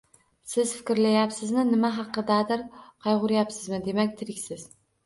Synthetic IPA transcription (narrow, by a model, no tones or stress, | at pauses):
sɪz̥fɪ̥kʲɾlajapsɪzmɪnɪmaɦɑqːɨd̪ad̪ɪɾqʰɑjʁʊɾjapsɪzmɪd̪e̞makʲt̪ʰɪɾɪkʲsɪz̥